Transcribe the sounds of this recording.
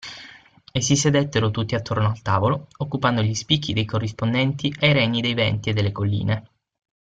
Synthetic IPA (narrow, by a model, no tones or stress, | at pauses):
es̬ːised̪ɛt̪ːeɾot̪ut̪ːiat̪ːornoalt̪aːvolookːupand̪oʎispikːid̪ejkorːispond̪ɛnt̪iʔajɾɛɲːid̪ejvɛnt̪ied̪ːelːekolːḭːne